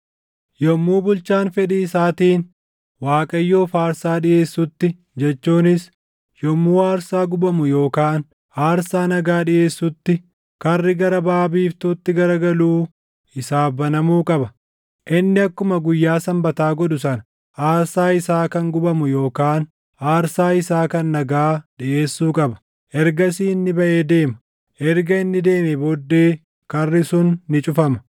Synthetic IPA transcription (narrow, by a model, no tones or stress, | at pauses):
jɔmːuːbʊlt͡ʃaːnfɛᶑiɪsaːt̪iːn | waːkʼɐjːo̞ːfaːɾsaːᶑɪje̞ːsːʊt̪ːɪ | d͡ʒɛt͡ʃːuːnɪs | jɔmːuːaːɾsaːɡʊbɐmʊjo̞ːkaːn | haːɾsaːnɐɡaːᶑɪje̞ːsːʊt̪ːɪ | kɐrːɪɡɐɾɐbaːbiːft̪ʊt̪ːɪɡɐɾɐɡɐluː | ɪsaːbɐnɐmuːkʼɐbɐ | ʔɪnːɪɐkːʊmɐɡʊjːaːsɐmbɐt̪aːɡɔd̪ʊsɐnɐ̥ | ʔaːɾsaːɪsaːkɐŋɡʊbɐmʊjo̞ːkaːn | ʔaːɾsaːɪsaːkɐnːɐɡaːᶑɪʔe̞ːsːuːkʼɐbɐ̥ | ʔɛɾɡɐsiːnːɪbɐʔe̞ːd̪e̞ːmɐ̥ | ʔɛɾɡɐɪnːɪd̪e̞ːmɛbod̪ːe̞ː | kɐrːɪsʊnːɪt͡ʃʼʊfɐmɐ̥